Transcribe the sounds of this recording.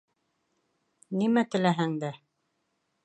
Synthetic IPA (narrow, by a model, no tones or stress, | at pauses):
nimæt̪ɘ̆læɦæŋd̪æ